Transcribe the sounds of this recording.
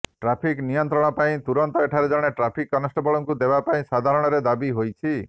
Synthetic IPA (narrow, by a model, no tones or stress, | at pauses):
ʈɾapʰiknijɔnt̪ɾɔɽ̃ɔpaĩt̪uɾɔnt̪ɔeʈʰaɾed͡ʒɔɽ̃eʈɾapʰikːɔnɔsʈɔbɔɭɔŋkud̪ebapaĩsad̪ʱaɾɔɽ̃ɔɾed̪abiɦojt͡ʃʰi